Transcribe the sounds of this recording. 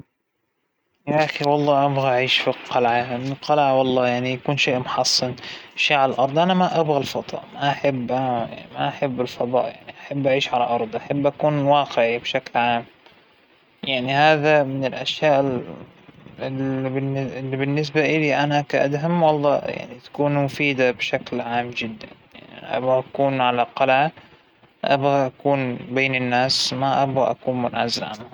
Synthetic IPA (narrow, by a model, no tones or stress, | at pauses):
jaʔaxiwɑlˤːɑːʔabɣaʔaʕiːʃfiqːɑlʕamɪnlqɑlʕawɑlˤːɑːjaʕnijakuːnʃeːʔmʊħɑsˤːɨnʔaʃeːʕalalʔɑɾˤd̪ˤʔanamaʔabɣalfɑd̪ˤɑ̰ːʔmaʔaħɪbːʔaaa̰ma̰ʔaħabːɪlfɑðˤɑ̰ːʔjaʕniʔaħabːʔaʕiːʃʕalaʔɑɾˤd̪ˤʔaħabːʔakuːnwɑːqɪʕibʃaklʕaːm | jaʕnihaːðamɪnɪlʔaʃjaːʔɪl | lbɪnɪlːibɪnːɪs̬baʔɪliʔanakaʔa̰d̪ɦamwɑlˤːɑ̰ːja̰ʕnit̪ḁkuːnmʊfiːd̪abʃaklʕaːmd͡ʒɪd̪ːanja̰ʕnia̰ʔa̰bɣaʔakuːnʕalaqɑlʕa | ʔa̰bɣaʔakuːnbeːnɪnːaːsmaʔabɣaʔa̰kuːnmʊnʕʔa̰zɪlʕa̰nʊ